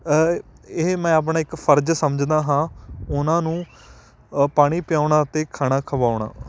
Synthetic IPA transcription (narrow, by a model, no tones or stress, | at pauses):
emɛ̃ːap̬ɳãːɪkpʰəɾd͡ʒsəməd͡ʒd̪aːɦãːʊnãːnũː | paːɽ̃iːpɪjaːʊɳaːt̪eːkʰaːɽaːkʰəʋaːʊɳ̃a̰ː